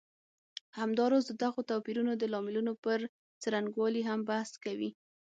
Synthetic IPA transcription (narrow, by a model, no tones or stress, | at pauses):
hamd̪ɑɾɑzd̪əd̪aɣot̪ɑpiɾunod̪əlɑmɪlunopəɾ | t͡saɾaŋɡwɑliɦambahskawḭ